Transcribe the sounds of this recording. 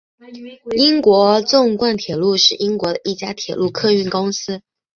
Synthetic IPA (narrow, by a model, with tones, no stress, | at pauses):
i˥ŋkwɔ˧˥t͡sʊ˥˧ŋkwa˥˩nt̪ʰjɛ˨˩lu˥˧ʂɻ̩˥˩i˥ŋkwɔ˧˥d̪ə˨˩i˥˩t͡ɕja˥t̪ʰjɛ˨˩lu˥˩kʰɤ˥˧y˥˩nkʊ˥ŋsɹ̩˥